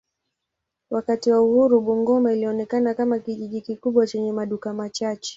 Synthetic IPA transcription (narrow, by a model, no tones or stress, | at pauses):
wakatiwauhuɾuɓuŋɡɔmailiɔnɛkanakamakiʄiʄikikuɓwat͡ʃɛɲɛmaɗukamat͡ʃat͡ʃɛ̥